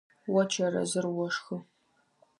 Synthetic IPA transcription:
wɔt͡ʃʰɐɾɐ̰zɨrwɔʂxɨ

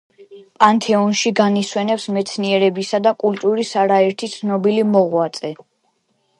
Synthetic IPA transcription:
pʼant̪ʰɛɔnʃiɡaniswɛnɛpsmɛt̪sʰniɛɾɛbisad̪akʼult̪ʼuɾisaɾaɛɾt̪ʰit̪sʰnɔbilimɔʁwat̪sʼɛ

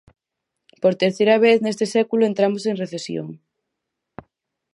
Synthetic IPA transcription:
poɾt̪eɾθejɾɐβ̞eθnest̪esɛkuloent̪ɾamoseŋreθesjo̰ŋ

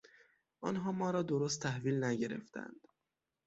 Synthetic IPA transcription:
ʔɒnɦɒːmɒːɾɒːd̪oɾos̬t̪ʰːæhviːlnæɟeɾe̞̰ft̪æ̰nd̪̥

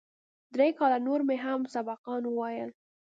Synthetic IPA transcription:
d̪ɾekɑlanoɾmeɦamsabɑqɑnwəwɑjəl

